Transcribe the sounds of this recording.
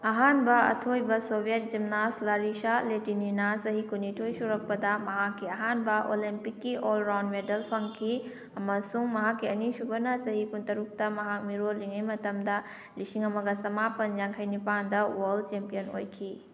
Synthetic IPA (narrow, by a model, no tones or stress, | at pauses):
ɐɦanbɐɐ̰tʰojbɐsobijet̚d͡ʒimnaslaɾisaletininɐsɐɦikunitʰojsuɾɐk̚pɐdɐmɐɦakːiɐɦanbɐʔolimpikːiʔolɾawnmedɐlpʰɐŋkʰi | ɐmɐsuŋmɐɦakːiɐnisubɐnɐsɐɦikuntɐɾuk̚tɐmɐɦak̚miɾoliŋɐjmɐtɐmdɐ | lisiŋɐmɐɡɐsɐmapɐnd͡ʒaŋkʰɐjnipandɐwɐlt͡ʃempijɐno̰jkʰi